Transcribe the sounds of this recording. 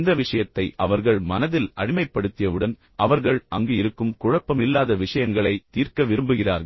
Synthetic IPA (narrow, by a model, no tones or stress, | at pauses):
nd̪ɐʋɪʂɐjɐt̪ːɐɪʔɐʋɐɾɣɐɭmɐnɐðɪlɐɽɪmɐɪpːɐɽɯt̪ːɪjɐʋɯɽɐn | ɐʋɐɾɣɐɭʔɐŋɡeɪɾɯkːɯmkʊɻɐpːɐmɪlːaːðɐʋɪʂɐjɐŋɡɐɭɐɪt̪ːiːrkɐʋɪɾɯmbɯɣɪra̰ːɾɣɐ